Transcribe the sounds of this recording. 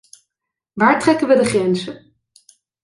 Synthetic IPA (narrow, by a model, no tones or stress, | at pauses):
ʋaːɹtrɛkənʋədəχrɛnzə